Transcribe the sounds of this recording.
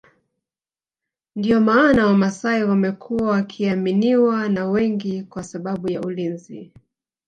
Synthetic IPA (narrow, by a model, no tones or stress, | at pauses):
ndiɔmaːnawamasaiwamɛkʰuwawakʰiaminiwanawɛŋɡikwasaɓaɓujaulinzi